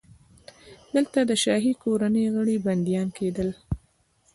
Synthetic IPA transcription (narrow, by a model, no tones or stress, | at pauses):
d̪̥əlt̪ad̪əʃɑɦikoɾanəjɣəɽiband̪ijɑnked̪əl